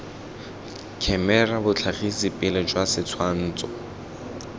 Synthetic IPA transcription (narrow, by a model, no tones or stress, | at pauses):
kʰɛmɛrabʊt͡ɬʰaχisɪpʼɪlɪd͡ʒwasɪt͡sʰwan̩ːt͡sʼɔ